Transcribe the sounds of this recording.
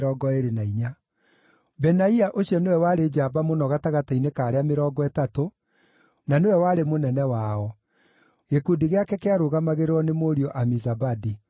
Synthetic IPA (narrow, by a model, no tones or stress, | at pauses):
ɔːɡɔeɾenaiɲa | bɛnaiaʔoɕiɔnewɛwaɾed͡ʒabamonɔɣataɣatainekaːɾeameɾɔːɡɔɛtato | nanewɛwaːɾemonɛnɛwaɔ | ɣekudiɣeakɛkeaɾoɣamaɣeɾɾɔnemoːɾiɔʔamizabadi